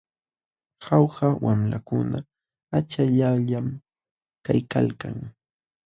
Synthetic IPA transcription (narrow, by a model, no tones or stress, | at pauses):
xawhawʔamlakʊna | at͡ʃaʎaʎam | kajkalkaŋ